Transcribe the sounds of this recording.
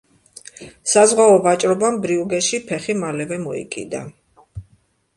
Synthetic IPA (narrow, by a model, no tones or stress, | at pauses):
sazʁwaɔvat͡ʃʼɾɔbambɾiuɡɛʃipʰɛχimalɛvɛmɔḭkʼḭd̪a̰